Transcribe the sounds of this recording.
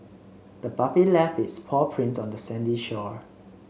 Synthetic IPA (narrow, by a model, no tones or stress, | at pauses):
d̥əbapilɛfɪtspʰɔpʰɹĩnsɔ̃ndəsɛ̃ndiʃɔ